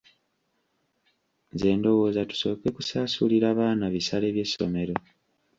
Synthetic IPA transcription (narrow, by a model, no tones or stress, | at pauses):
ze̞ːndo̞wo̞ːzatu̥so̞ːke̞kusaːsuliɾaːβaːnaβisale̞ːβje̞sːo̞̰me̞ɾo̞